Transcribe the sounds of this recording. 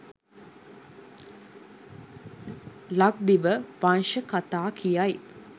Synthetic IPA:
lak̚d̪iʋəʋanʃəkat̪aːkʰijaj

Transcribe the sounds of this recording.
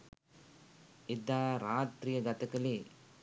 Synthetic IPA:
id̪aːɾaːt̪ɾijɐɡɐt̪ɐkɐli

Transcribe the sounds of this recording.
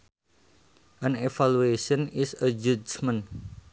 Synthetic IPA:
ʔənefalueʃənɪsəd͡ʒud͡ʒmən

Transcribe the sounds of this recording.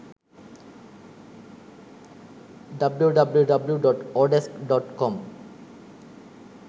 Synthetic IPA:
ɖʌbluɖʌbluɖʌbljuɖɔʈɔɾɖeskɖɔʈkɔm

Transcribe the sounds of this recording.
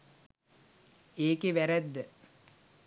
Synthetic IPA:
eːkeʋæɾæd̪ːə

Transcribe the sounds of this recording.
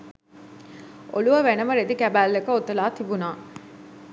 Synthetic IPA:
o̰luʋɐʋenɐmɐɾed̪ikæbæːlːekɐot̪ːɐlaːt̪ibunaː

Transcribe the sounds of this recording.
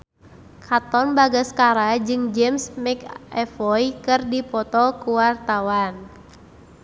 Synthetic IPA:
kʰat̪ɔnbaɡaskaɾad͡ʒɨŋd͡ʒɛmsmɛkɛfɔikɨrdipɔt̪ɔkuwart̪awan

